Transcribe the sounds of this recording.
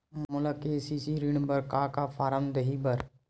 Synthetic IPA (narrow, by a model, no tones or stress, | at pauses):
mʊləkeːsiːsiːɾiɳbəɾkaːkaːfʰaːɾəmd̪əɦiːbəɾ